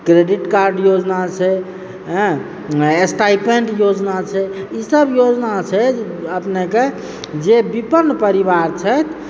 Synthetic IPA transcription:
kɾeɖiʈkaɾɖjod͡ʒnat͡ʃʰɛ | ɦ | esʈaipeɳɖjod͡ʒnat͡ʃʰɛisəbjod͡ʒnat͡ʃʰɛəpneke | d͡ʒebipənːpəɾibaɾt͡ʃʰəjt̪ʰ

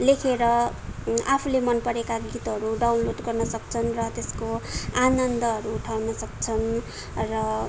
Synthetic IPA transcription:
lekʰeɾʌ | apʰulemʌnpʌɾekaɡit̪ɦʌɾuɖawnloɖɡʌrnʌsʌk̚t͡sʰʌnrʌt̪eskoanʌnd̪ʌɦʌɾuːʈʰawnʌsʌkt͡sʰʌn | rʌ

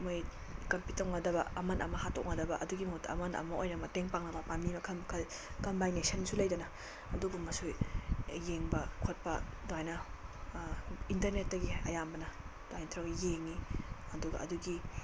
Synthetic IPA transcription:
moj | kɐmpitɐwnɐdɐbɐɐmɐnʔɐ̰mɐhatok̚nɐdɐbɐʔɐduɡimɐutɐ̰mɐnɐ̰mɐojnɐmɐteŋpaŋnɐbɐpanimɐkʰɐmkʰɐl | kɐmbajnesɐnsulɐjdɐnɐ | ɐduɡumːɐsujjeŋbɐkʰot̚pɐdoajnɐ | intɐɾnet̚ːɐɡiɐjambɐnɐ | doajntʰɾɐkjeŋi | ɐduɡɐ̰ʔɐduɡi

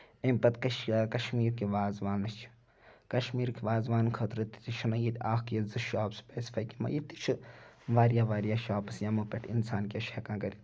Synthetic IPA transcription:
emʲpɐt̪kɐʃkɐʃmiːɾkiʋaːzʋaːnɐst͡ʃʰi̥ | kɐʃmiːɾkiʋaːzʋaːnkʰɐt̪ɾɨt̪i̥t̪it͡ʃʰɨnɐjit̪ʲaːxkjɐzɨʃaːpspʲeːsi̥fʰaːjkimɐ̰jit̪it͡ʃʰɨʋaːɾjaːʋaːɾjaːʃaːpɐsjamupʲeʈʰinsaːnkʲɐʃeːkãːkɐɾi

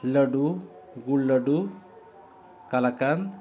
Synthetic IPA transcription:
ləɽuɡuɭləɖu | kalakan

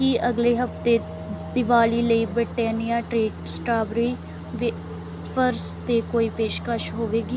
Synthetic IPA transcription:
kɪʔəɡleːɦəft̪eː | d̪ɪʋaːliːləiːbɾɪʈːɛːnijaːʈɾeːɖsʈaːbɾiː | ʋ | pʰəɾst̪eːkoːiːpeːʃkəʃɦoːʋeːɡiː

